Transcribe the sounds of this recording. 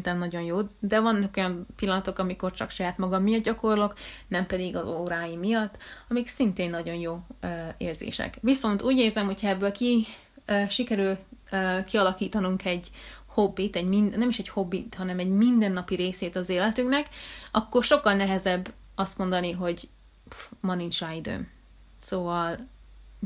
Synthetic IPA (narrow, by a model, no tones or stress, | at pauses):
int̪ɛnnɒɟo̞njoːd̪d̪ɛvɒnːɒko̞jɒmpilːɒnɒt̪o̞kɒmiko̞rt͡ʃɒ̰kʃɒjaːt̪mɒɡɒmːijɒd̪̚ɟɒko̞rlo̞knɛmpɛd̪iɡɒzoːɾaːjimijɒt̪ːɒmiksint̪eːnːɒɟo̞njoːøeːrzḛːʃɛ̰kʋiso̞nt̪uːɟeːrzɛmho̞chɒɛbːøːlkiː | ʃikɛɾyløkiɒlɒkiːt̪ɒnuŋkʰɛɟho̞bːit̪ɛɟmind̪nɛmiʃɛcho̞bːit̪hɒnɛmɛɟmind̪ɛnːɒpiɾeːseːt̪ɒzeːlɛt̪yŋknɛkɒkːo̞rʃo̞kːɒlnɛɦɛzɛbː | ɒst̪mo̞nd̪ɒniɦo̞ɟ | mɒnint͡ʃajd̪ø̰m | soːvɒl